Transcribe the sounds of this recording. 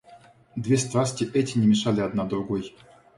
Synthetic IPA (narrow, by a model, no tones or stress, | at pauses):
d̪vʲest̪ɾasʲtʲɪʔɛtʲɪnʲɪmʲɪʂalʲɪad̪nad̪ɾʊɡoj